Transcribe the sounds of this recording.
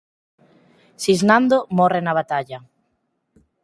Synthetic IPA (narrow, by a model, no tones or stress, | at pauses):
siznand̪omɔrɪnaβ̞at̪aʎɐ